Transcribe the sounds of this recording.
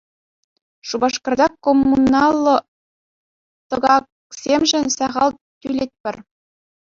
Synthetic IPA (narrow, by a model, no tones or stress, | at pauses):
ʂubɑʂkɤ̆rd̪ɑkomːunɑlˠːɤ̆ | t̪ɤ̆ɡɑk | sʲemʒɘ̆nʲsɑʁɑlˠ | t̪ʲylʲet̪̚ʲpʲɘ̆rʲ